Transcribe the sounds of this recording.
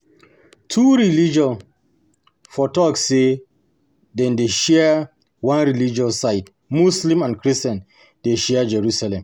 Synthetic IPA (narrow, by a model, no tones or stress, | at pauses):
tʰuɹilid͡ʒɔ̃n | fɔtɔkːe | dɛ̃ndeʃɛ | wãnɹilid͡ʒɔsːaɪt̚ | muslĩmãnkɹistɛ̃n | deʃɛd͡ʒɛɹusalɛ̃m